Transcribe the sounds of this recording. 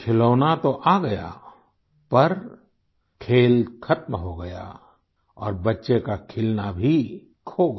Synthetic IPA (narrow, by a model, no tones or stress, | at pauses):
kʰɪloːnat̪oʔaːɡɐja̰ | pɐɾ | kʰeːlkʰɐt̪mɦoɡɐja̰ | ɔ̰ːɾbɐtːʃekakʰɪlnabʱi | kʰo